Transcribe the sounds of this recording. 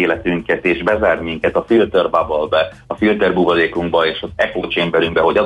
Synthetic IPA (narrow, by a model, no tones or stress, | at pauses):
eːlɛt̪yŋkɛt̪eːʒbɛzaːrmiŋkɛt̪ɒfilt̪ørbabɒlbɛ | ɒfilt̪ɛrbuːvɒleːkuŋɡbɒeːʃɒzɛkoːt͡ʃɛmbɛɾyŋɡbɛɦo̞ɟɒ